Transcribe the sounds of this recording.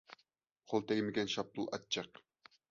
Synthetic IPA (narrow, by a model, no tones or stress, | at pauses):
qʰolˠt̪ʰɛɡʲmɪɡʲɛnʃɑp̚t̪ʊlˠɑ̰t̪̚t͡ʃʰːɑq̚